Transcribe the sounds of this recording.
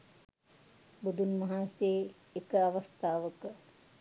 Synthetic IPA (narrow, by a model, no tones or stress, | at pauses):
bud̪unmɐɦaːnseː | kəaʋast̪aːʋəkə